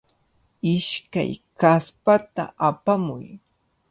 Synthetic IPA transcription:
ɪʃka̰jkaspat̪a̰apamʊ̰j

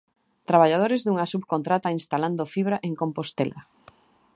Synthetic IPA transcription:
t̪ɾaβaʎaðoɾezðuŋasubkont̪ɾat̪ainst̪aland̪ofiβɾaʔeŋkompost̪elʔa̰

